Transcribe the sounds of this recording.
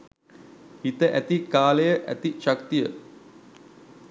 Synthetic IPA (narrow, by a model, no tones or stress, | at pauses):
hit̪əʔæt̪ikaːlejəʔæ̰t̪iʃakt̪ijə